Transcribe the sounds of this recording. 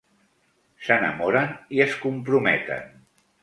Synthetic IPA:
sənə̰moɾəniəskumpɾumɛt̪ə̰n

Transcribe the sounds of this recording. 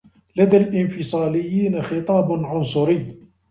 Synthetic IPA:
lad̪alʔɪnfɪsˤɑːlɪjːiːnaxɪt̪ˤɑːbʕʊnsˤʊɾɪjː

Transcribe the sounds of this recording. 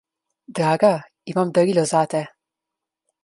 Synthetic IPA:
d̪ɾaɡa | imamd̪əɾiləzat̪e

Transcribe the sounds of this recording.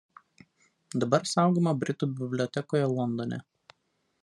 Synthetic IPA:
d̪ɐbɐɾsɑˑʊɡʲomɐbʲɾʲɪt̪uːbʲɪbʲlʲɔt̪ʲɛkoːjɛlˠɔnd̪onʲɛ̰

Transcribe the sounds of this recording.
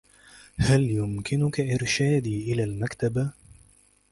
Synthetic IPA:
haljʊmkɪnʊkaʔɪɾʃaːd̪iːʔɪlalmakt̪aba

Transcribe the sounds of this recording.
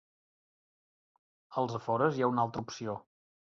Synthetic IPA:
əlˠzəfɔɾəzjaunalˠt̪ɾəupsio

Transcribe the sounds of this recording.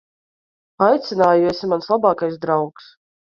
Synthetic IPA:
ajt̪sɪnaːjusʲimanslˠabaːkajsd̪ɾawks

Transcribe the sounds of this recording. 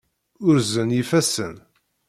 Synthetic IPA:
ʊɾzənifæsə̰n

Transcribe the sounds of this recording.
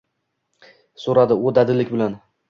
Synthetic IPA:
soɾad̪ɪod̪ad̪ɪlɪkʲbɪlan

